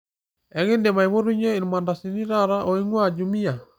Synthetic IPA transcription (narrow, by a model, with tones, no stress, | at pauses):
ɛ˨ɣe˦nde˨ma˨i˨βo˦ɾu˦ɲe˦i˨n˨ma˨nda˨si˨ni˦ɾa˦ɾa˦ʔo˨i˦ŋwa˦˨d͡ʒu˨mi˦a˨